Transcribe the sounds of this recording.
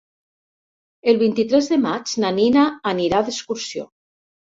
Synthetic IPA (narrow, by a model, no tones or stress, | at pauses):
elˠβ̞int̪it̪ɾɛzðemad͡ʒnaninaːniɾaðeskuɾsio̰